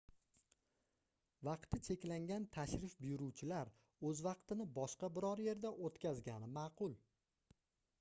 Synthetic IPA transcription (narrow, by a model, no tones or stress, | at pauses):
vɑqt̪ʰɪt͡ʃʰe̞kʲlaŋɡʲant̪ʰaʃɾɪfbɪjʊɾuwt͡ʃʰɪlaɾ | ɵzvɑqt̪ɪnɪbɒʃqɑbɪɾɒɾje̞ɾd̪aʔot̪kʲazɡʲanɪmɑːqʰʊlˠ